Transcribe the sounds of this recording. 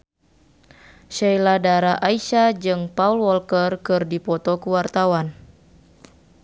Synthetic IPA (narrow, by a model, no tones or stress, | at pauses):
ʃɛjladaɾaʔaiʃad͡ʒɨŋpaulwɔlkərkɨrdipɔt̪ɔkuwart̪awan